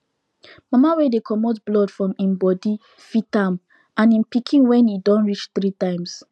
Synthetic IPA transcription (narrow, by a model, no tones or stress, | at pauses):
mamawedekʰɔmɔtblɔdfɹɔ̃mĩmbɔdi | fitãm | ãnĩnpikʰĩnwɛ̃nidɔ̃nɹit͡ʃθɹitãɪ̃ms